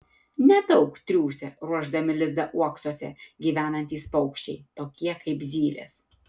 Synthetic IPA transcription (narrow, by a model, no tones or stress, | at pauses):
nʲɛd̪ɒʊkt̪ʲɾʲuːsʲɛɾuɔʒd̪ɐmʲɪlʲɪzd̪ɐʔuɔksoːsʲɛɡʲiːʋʲæːnɐnʲt̪ʲiːspɐʊkʃʲt͡ʃʲɛɪt̪oːkʲiɛkɐɪpzʲiːlʲḛːs